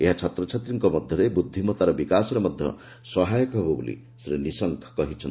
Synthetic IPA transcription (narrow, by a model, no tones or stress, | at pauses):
eɦat͡ʃʰɔt̪ɾɔt͡ʃʰat̪ɾiŋkɔmɔd̪ʱjɔɾebud̪ʱːimɔt̪aɾɔbikasɔɾemɔd̪ʱjɔ̰ | sɔɦajɔkɔɦebɔbṵlḭ | sɾenisɔŋkʰkɔɦit͡ʃʰʌn